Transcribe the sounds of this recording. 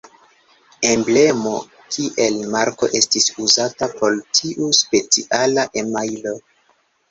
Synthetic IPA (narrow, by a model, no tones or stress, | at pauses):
e̞mble̞mo̞ | kʰiʔe̞lmaɾko̞̰ʔe̞stisuzatapo̞ltʰiʔuspe̞t͡siʔalaʔemajlo̞